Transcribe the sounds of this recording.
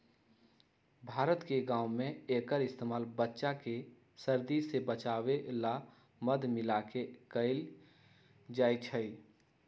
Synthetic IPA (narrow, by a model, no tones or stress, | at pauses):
bʱaːɾət̪keɡãːʊ̃mẽeːkəɾɪst̪eːmaːlbətːʃake | səɾd̪isebət͡ʃaːwela | məd̪mɪlakekəɪl | d͡ʒaːjt͡ʃʰəi